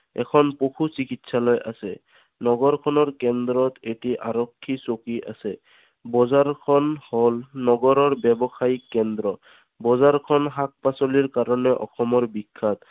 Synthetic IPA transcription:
ɛ̰kʰɔnpoxusikitsalɔjʔasɛ | nɔɡɔɹkʰɔnɔɹkɛnd̪ɾɔt̪etiʔaɹɔkʰːisokiʔa̰sɛ | bɔzaɹkʰɔnholnɔɡɔɾɔɹbɛbɔxaikːɛnd̪ɾɔ | bɔzaɹkʰɔnɦak̚pasoliɹkaɹɔnɛʔɔ̰xɔmɔɹbikʰːat̪̚

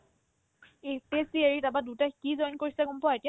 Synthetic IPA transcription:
epesieɹitabadutakizɔjnkoɹisɛɡumpɔaetia

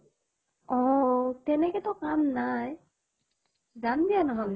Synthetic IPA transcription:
ɔtɛnɛkɛtɔkamnaj | zandijanɔɦɔn

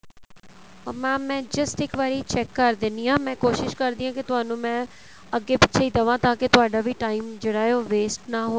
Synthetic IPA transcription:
mɛ̃ːmːɛ̃ːd͡ʒɪsʈɪkʋaːɾiːt͡ʃɛːkːəɾd̪ɪniːãːmɛ̃ːkoːʃɪʃkəɾd̪iːãːkɪt̪ʊɦaːnũːmɛ̃ː | əɡːeːpɪtːʃʰeiːd̪əʋãːt̪ãːket̪ʊaːɖaːʋiːʈaːiːmd͡ʒeːɽaːeoːʋeːsʈnaːɦo

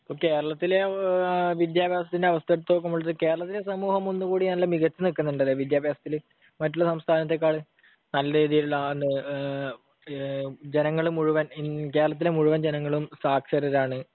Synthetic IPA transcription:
ɐpːoːke̞ːɾɐɭɐt̪ːile | ʋid̪jaːbʱjaːsɐt̪ːindeɐʋɐst̪ʰɐeɽut̪ːo̞ːk̬ːɐmuɭːɐðɨke̞ːɾɐɭɐt̪̬ːilesɐmuːɦɐmo̞nːukuːɽinɐlːɐmiɣɐt͡ɕːɨnikːunːɐuɳɖɐlːeʋid̪jaːbʱjaːsɐt̪ːil | mɐtːuɭːɐsɐmst̪ʰaːnɐt̪̬ːe̞k̬ːaːɭɨ | nɐlːɐɾeːðijiluɭːɐnɨ | d͡ʑenɐŋːɐɭumuɻuʋɐnike̞ːɾɐɭɐt̪̬ːilemuɻuʋɐnd͡ʑenɐŋːɐɭumsaːkʂɐɾɐɾaːɳɨ

